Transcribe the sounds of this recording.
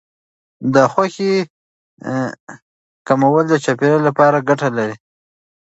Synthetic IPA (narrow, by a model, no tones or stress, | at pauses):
d̪əxwaxe | kamawəld̪ət͡ʃapeɾalapɑɾaɡaʈalaɾi